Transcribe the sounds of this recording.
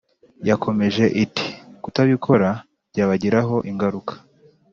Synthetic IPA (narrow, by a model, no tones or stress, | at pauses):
jako̞me̞ʒe̞ʔiti̥kutaβikʰo̞ɾa | bɟaːβaɟiɾaɦo̞ʔiŋɡaɾukḁ